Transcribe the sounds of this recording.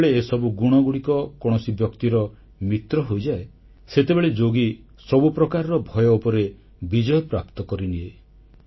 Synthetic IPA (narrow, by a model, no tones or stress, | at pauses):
ɭeːsɔbuɡuɽ̃ɔɡuɽikɔkɔɽ̃ɔsibjɔkt̪iɾɔ | mit̪ɾɔɦojd͡ʒae | set̪ebeɭed͡ʒoɡi | sɔbupɾɔkaɾɔɾɔbʱɔjɔupɔɾe | bid͡ʒɔjɔpɾapt̪ɔkɔɾinie